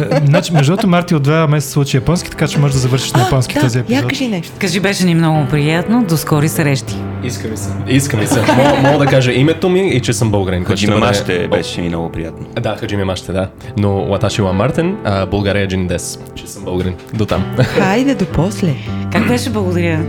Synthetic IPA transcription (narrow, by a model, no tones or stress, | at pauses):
znat͡ʃimɛʒd̪ɔt̪omaɾt̪iod̪d̪vamɛsɛt̪slˠut͡ʃijɐpɔnskʲi̥t̪ɐ̥kat͡ʃɛmɔʒɛʒd̪ɐzɐvəɾʃi̥ʃnɐjɐpɔnskʲi̥t̪ɔziɛp̪izɔtkɐʒinɛʃt̪kɐʒibɛʃɛnimnɔɡʊpɾijat̪nod̪oskɔɾisɐɾɛʃt̪i̥ | iskəmisɛiskəmisɛmɔmɔɡˠd̪ɐkaʒɛʔimɛt̪omiːt͡ʃɛsəmbəlˠɡɾɛnkɔɔd͡ʒimɛmaʃt̪ɛbɛʃʃɛnḭnɔ̰ɡʊpɾija̰t̪nod̪axɐd͡ʒimɛmaʃt̪ɛd̪a | nowat̪aʃiwamːaɾt̪ɛnəbolˠɡaɾiɐd͡ʒind̪ɛs | t͡ʃɛsəmbəlˠɡɾind̪ot̪a̰mxajd̪ɛd̪opɔslʲɛkakbɛʃɛblˠɐɡʊd̪ɐɾʲə